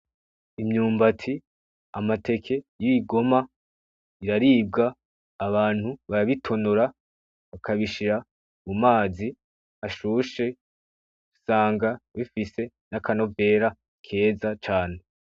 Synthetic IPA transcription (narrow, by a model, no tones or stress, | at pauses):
imɲuːmbatʰi | amate̞kʰe̞jiiɡo̞ma | iɾaɾiːb̚ɡaː | βaːn̥huβaɾaβitʰo̞noɾa | βakʰaβiʃiɾa | mumaːzi | aʃuːʃe̞ | usaːŋɡaβifise̞ | nakʰano̞ve̞ːɾa | kʰe̞ːzat͡ʃaːne̞